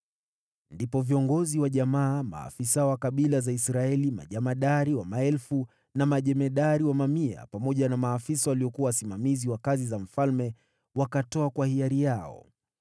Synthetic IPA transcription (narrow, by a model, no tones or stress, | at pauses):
ndipɔviɔŋɡɔziwaʄamaːma̰ːfisawakaɓilazaisɾaɛlima̰ʄamaɗaɾiwamaɛlfu | namaʄɛmɛɗaɾiwamamia̰pamɔʄanamaːfisawaliɔkuawasimamiziwakazizam̩falmɛ | wakatɔakwahiaɾijaɔ̰